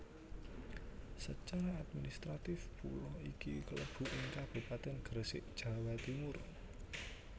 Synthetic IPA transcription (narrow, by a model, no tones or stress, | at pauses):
sət͡ʃaɾaad̪̚minist̪ɾat̪ɪfpṵlɔhikḭkələb̥ṳʔiŋkab̥ṳpat̪ɛnɡ̥əɾsɪʔd̥ʒ̥a̤wat̪imur